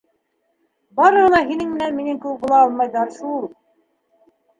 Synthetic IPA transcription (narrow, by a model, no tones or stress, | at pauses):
bɑɾɤʁɤ̆nɑɦinɘŋmɘ̆nænminɘŋkɘɘk̚bulˠɑɑlˠmɑjðɑɾʃulˠ